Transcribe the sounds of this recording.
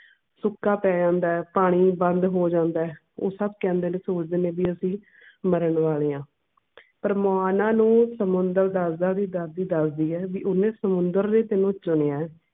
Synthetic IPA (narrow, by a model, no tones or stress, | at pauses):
sʊkːaːpɛːd͡ʒãːnd̪aːɛːpaːɽ̃iːbənd̪ɦoːd͡ʒãːnd̪aːɛː | o̰ːsəb̚kɛ̃ːnd̪eːneːsoːt͡ʃd̪eːneːbiːəsĩː | məɾəɳʋaːleːãː | pəɾmaːnãːnũːsəmʊnd̪əɾd̪aːsd̪ãːd̪iːd̪əɾd̪iːd̪əsd̪iːɛːʋiːʔʊnẽːsəmʊnd̪əɾneːt̪ɪnũːt͡ʃʊɽeːãːɛː